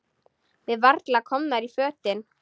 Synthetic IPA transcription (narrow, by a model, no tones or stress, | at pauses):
vɪðvaɾt̪lakʰɔmnaɾifœːt̪ɪn